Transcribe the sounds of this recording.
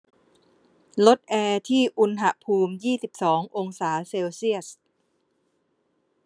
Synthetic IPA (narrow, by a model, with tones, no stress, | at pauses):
lo˦˥t̪̚ʔɛː˧t̪ʰiː˥˩ʔu˧nɦa˧˩pʰuː˧mjiː˥˩si˨˩p̚sɔː˩˦ŋʔo˧ŋsaː˩˦seː˧wsi˥˩əs